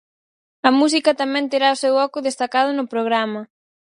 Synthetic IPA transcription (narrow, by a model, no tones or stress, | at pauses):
ɐmus̬ikɐt̪amɛ̃nt̪eɾaʊsewɔkʊðest̪akað̞ʊnʊpɾoɣ̞ɾamɐ